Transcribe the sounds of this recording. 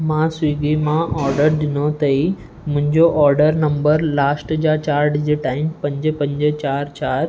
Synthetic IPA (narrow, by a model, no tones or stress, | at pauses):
mãswiːɡimãʔɔːɾɖəɾd̪ɪnot̪ɐi | mʊ̃ɦɪ̃ɲd͡ʑoʔɔːɾɖəɾnɐ̃mbəɾlaːsʈd͡ʑat͡ɕaːɾɖd͡ʑeːʈaːɪmpɐ̃ɲd͡ʑəpɐ̃ɲd͡ʑt͡ɕaːɾt͡ɕaːɾ